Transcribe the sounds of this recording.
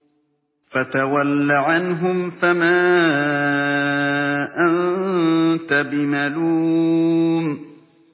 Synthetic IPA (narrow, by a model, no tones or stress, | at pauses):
fat̪awalːaʕanɦʊmfamaː | ʔan | t̪abɪmaluːm